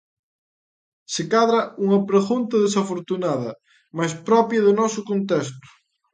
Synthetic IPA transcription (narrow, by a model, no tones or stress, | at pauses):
sekaðɾɐuŋɐpɾeɣunt̪ɐðesafoɾt̪unaðɐ | majspɾɔpjɐðʊnɔsʊkont̪ɛst̪ʊ̥